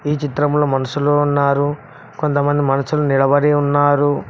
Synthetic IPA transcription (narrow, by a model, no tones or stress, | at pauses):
iːt͡ʃit̪ɾɐmlo̞ːmɐnɐsuloːunːaːɾu | ko̞nt̪ɐmɐnd̪imɐnɐsulunilɐbɐɽiunːaːɾu